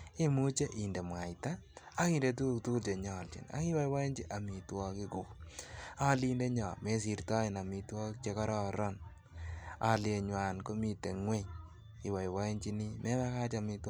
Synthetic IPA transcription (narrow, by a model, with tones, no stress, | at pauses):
e˦mu˦t͡ʃe˦ʔi˨nde˨mwa˨jtaː˦ki˨nde˨tu˦ktu˦lt͡ʃe˨ɲɔ˨lt͡ʃḭ˨na̰˦ki˦wa˦jwa˦e˦ɲd͡ʒi˦ʔa˨mi˨twɔ˦kɪ˦ku˨ | a˦liː˦nde˦ɲɔ˨me˨˦s̬i˨ɾtɔ˦i˨na˨mi˨twɔ˦kt͡ʃe˦ka˦ɾɔ˨ɾɔ˦n | a̰˨lje˨ɲwa˨nko˦mi˨te˨ŋwe˦ɲ | i˨wa˨jwa˦e˦ɲt͡ʃi˦ni˦me˦βa˦ka˦t͡ʃa˨mi˧tw